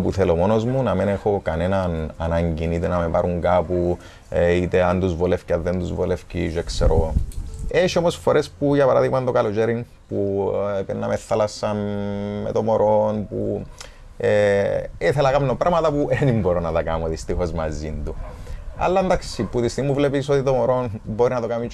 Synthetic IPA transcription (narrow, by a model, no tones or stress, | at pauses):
puθelomo̞no̞zmunɐmenexo̞kɐne̞nɐnɐ̰nɐɲɟinit̪enɐmepɐɾuŋɡapu | it̪eɐnd̪uzvolefcɐðend̪uzvolefciʃekseɾo | eʃio̞mosfoɾe̞spuʝɐpɐɾaðiɣmɐnd̪okɐlot͡ʃeɾin | puepenːɐmeθːalɐsːɐnmet̪omoɾʔonpṵ | eiθelɐkɐmnopɾɐmɐt̪ɐpuʔenimboɾonɐt̪ɐkɐmoðist̪ixo̞zmɐzind̪uɐ̰lːɐnd̪ɐksipːuðist̪iɣmuvlepisot̪it̪omoɾonboɾinɐt̪okami